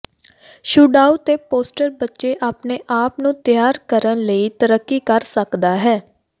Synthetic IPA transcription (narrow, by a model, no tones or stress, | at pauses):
ʃuːɖaːuːt̪eːpoːsʈəɾbətːʃeːʔaːpneːʔaːpnũːt̪jaːɾkəɾənləiːt̪əɾəkːiːkəɾsəkd̪aːɦɛː